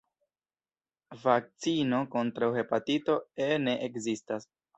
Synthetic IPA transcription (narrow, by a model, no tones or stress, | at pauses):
vak̚t͡sino̞ko̞ntɾawhe̞patito̞ene̞ʔekzistas